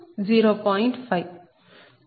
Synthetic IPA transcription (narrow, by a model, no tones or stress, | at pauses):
d͡ziɾopʌiɳʈpʰajb